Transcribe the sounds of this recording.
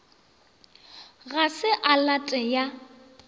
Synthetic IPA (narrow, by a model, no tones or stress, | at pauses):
ɣasɪʔalatʼɛja